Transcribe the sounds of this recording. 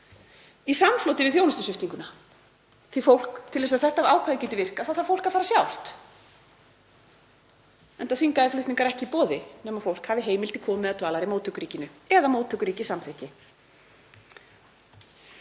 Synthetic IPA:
isamːflɔːwt̪ɪvɪðθjownʏst̪ʏsʏht̪niŋkʏna | θifowl̥kt̪ʰɪlvɛs̬aðθɛht̪avaːwkʰaðɪcɛːt̪ɪvɪr̥kaθaðθaɾfowl̥kafaːɾasjawl̥t̪ | ɛnt̪aθiŋkaðɪflʏht̪niŋkaɾɛhcɪpɔːðɪnɛmaɾfowl̥khaːvɪɦeːjmɪlt̪ɪkʰɔːmmɛðat̪vaːlaɾimoːwt̪ʰœkʏɾiːcɪnʏɛðamoːwt̪ʰœkʏɾiːcɪsamθɛhcɪ

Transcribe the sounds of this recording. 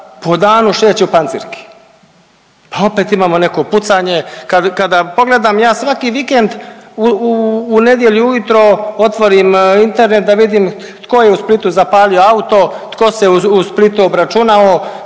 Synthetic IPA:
po̞d̪aːnuʃeːt͡ɕupanḭɾki̥ | pao̞peːt̪imaːmo̞ne̞ko̞put̪saɲe̞kad̪kad̪apo̞ɡle̞d̪aːmjaːsʋakiʋike̞nd̪uː | ne̞d̪jeʎuujut̪ɾo̞ot̪ʋo̞ɾimint̪e̞ɾne̞t̪̚d̪aʋid̪im | t̪ko̞jeusplit̪uzapaːlioaut̪o̞t̪ko̞seuusplit̪uobɾat͡ʃunao

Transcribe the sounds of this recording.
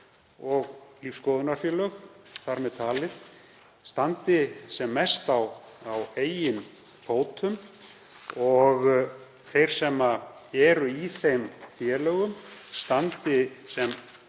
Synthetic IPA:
ɔɣliːfskowðʏnaɾ̥fjɛlœxθaɾmɛðt̪ʰaːlɪθ | st̪ant̪ɪsɛmːɛst̪awaweːjɪn | foːwt̪ʰʏm | ɔɣ | θejɾ̥sɛmːaɛɾʏiθejmfjɛlœɣʏmst̪ant̪ɪsɛm

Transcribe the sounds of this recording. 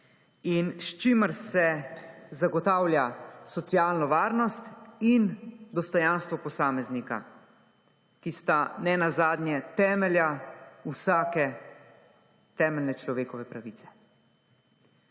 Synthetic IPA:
inʃt͡ʃiməɾsɛzaɡɔt̪aːwlʲjasɔt̪siaːlnɔʋaːɾnɔst̪ind̪ɔst̪ɔjãnst̪ʋɔpɔsaːmɛznika̰ | kist̪anɛnazaːd̪njɛt̪ɛːmɛljausaːkɛ | t̪ɛːmɛlnɛt͡ʃlɔʋeːkɔʋɛpɾaʋit̪sɛ̥

